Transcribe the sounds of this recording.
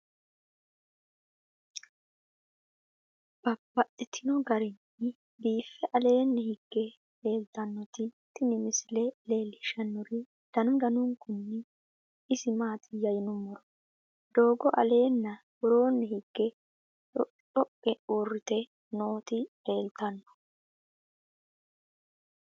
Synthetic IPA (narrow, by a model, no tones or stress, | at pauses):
b̥ɐbːɐtʼːɪt̪ʰɪnɔɡɐɾɪnːɪ | biːfːɛʔɐle̞ːnːɛhɪɡ̥ːɛ | eːlt̪ɐnːɔt̪ɪt̪ɪnɪmɪslɛle̞ːlːɪʃɐnːʊɾɪ | d̪̥ɐnʊd̪ɐnʊŋkʊnːɛ | ɪsɪmaːt̪ʰɪjɐjɪnʊmɔɾɔ | d̪̥o̞ːɡɔʔɐ̰le̞ːnːɐ | wɔɾo̞ːnːɛhɪɡ̥ːɛ | ᶑɔ | ɔkʼːɛurːɪt̪ɛ | noːt̪ɪ | e̞ːlt̪ɐnːɔ̥